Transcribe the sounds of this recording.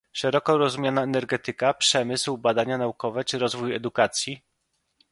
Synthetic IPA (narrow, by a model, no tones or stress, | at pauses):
ʂɛɾɔkɔɾɔzumjanaɛnɛɾɡɛt̪ɘkapʂɛmɘswbad̪aɲanaukɔvɛt͡ʂɘɾɔzvujɛ̰d̪ukat̪sʲji